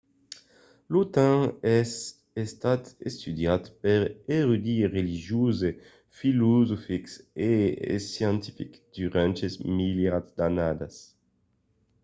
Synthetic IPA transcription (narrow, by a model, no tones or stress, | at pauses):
lot̪ãɛs | est̪at̪ḛst̪yd̪jat̪peɾeʁud̪ieʁeliʒjuze | filozofiksḛsjãnt̪i̥fikd̪̥yʁɛ̃nt͡ʃezmiljad̪anad̪as